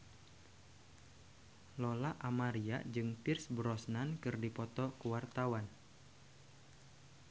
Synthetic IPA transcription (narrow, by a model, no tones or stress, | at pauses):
lɔlaʔamaɾiad͡ʒɨŋpɪrsbɾɔsnankɨrdipɔt̪ɔkəwart̪awan